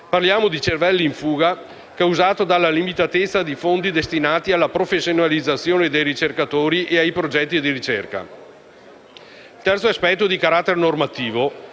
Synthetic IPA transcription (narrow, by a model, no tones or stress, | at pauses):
parljaːmod̪it͡ʃervɛlːiːɱfuːɡa | kɛuzaːt̪od̪alːalimit̪at̪et̪sːad̪ifond̪id̪est̪inaːt̪ialːapɾofesːjonalid̪zːat̪sːjoːned̪ejɾit͡ʃerkat̪oːɾiʔeajpɾod͡ʒɛt̪ːid̪iɾit͡ʃɛrka̰ | ilt̪ɛrt̪soaspɛt̪ːod̪ikaɾat̪ːeɾenormat̪iːvo